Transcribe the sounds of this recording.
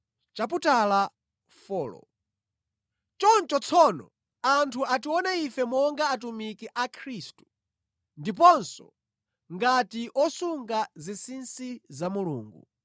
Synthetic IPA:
t͡ʃaputala | fɔːlɔ̰ | t͡ʃɔnt͡ʃɔt͡sʰɔnɔ | antʰuʔatiwɔnaifɛmɔŋɡaːt̬umikiʔakʰɾistu̥ | ndip̬ɔnsɔ̰ | ŋɡatiʔɔsuŋɡazisinsizamulṵːŋɡṵ

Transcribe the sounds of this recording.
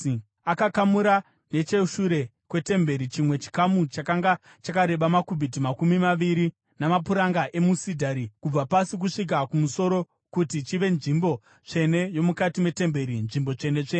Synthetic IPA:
akakamuɾa | ne̞t͡ʃe̞ʃuɾe̞ | kwe̞te̞mbe̞ɾit͡ʃimwe̞t͡ʃi̥kamut͡ʃakaŋɡa | t͡ʃakaɾe̞ɓamakubʱit̬imakumimaʋiɾi | namapuɾaŋɡaʔe̞musidʱaɾikub͡vapasik̬uʂik̬akumuso̞ɾo̞ | kutit͡ʃiʋe̞nʐimbo̞ | t͡ʂe̞ne̞jo̞mukatimwe̞te̞mbe̞ɾinʐimbo̞t͡ʂe̞ne̞t͡ʂe

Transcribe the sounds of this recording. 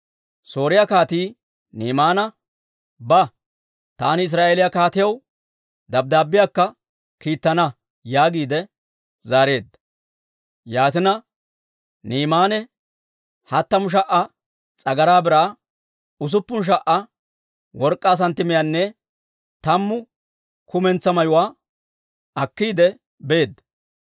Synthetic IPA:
so̞ːɾɪjakaːt̪iː | niːmaːnɐ | bɐ | t̪aːnɪɪs̬ɾaːʔelɪjɐkaːt̪ɪjɐw | d̪ɐb̚d̪aːbːɪjakːɐ | kiːt̪ːɐnɐ | jaːɡiːd̪ɛ | zaːɾe̞ːd̪ːɐ̥ | jaːt̪ɪnɐ | niːmaːnɛ | hɐt̪ːɐmʊʃ̬ɐʔːɐ | t͡sʼɐɡɐɾaːbɪɾaː | ʊs̬ʊpːʊnʃ̬ɐʔːɐ | wɔɾkʼːaːs̬ɐnt̪ːɪmɪjɐnːɛ | t̪ɐmːʊ | kʊmɛnt͡sːɐmɐjʊwaː | ɐkːiːd̪ɛ | beːd̪ːɐ

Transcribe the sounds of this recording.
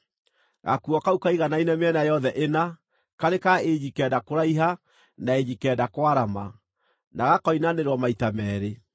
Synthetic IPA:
ɣa̰kuɔkaukaiɣanainɛmeɛnajɔðɛʔena | kaɾekaeɲikɛːdakoɾaiɦa | naeɲikɛːdakwaɾama | naɣakɔinaneɾwɔmaitamɛːɾe

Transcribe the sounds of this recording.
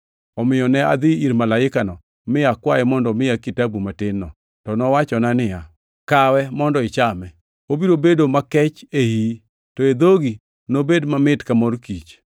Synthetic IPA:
ɔmɪjɔnɛa̰d̪ɪiɾmalaɪkanɔ | mɪjakwajɛmɔndɔmɪjakitabumatɪnːɔ | tɔnɔwat͡ʃɔnanɪja | kawɛmɔndɔɪt͡ʃamɛ | obiɾobedomakɛt͡ʃehi | tɔed̪oɡi | nobedmamɪtkamɔɾkit͡ʃ

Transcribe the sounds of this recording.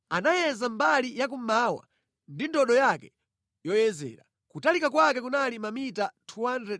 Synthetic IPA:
anajɛzambalijak̬umaːwa̰ | ndindɔɗɔjakɛ | jɔjɛzɛ̰ːɾa | kutalikakwakɛkunalimamitatʰuwandɛ

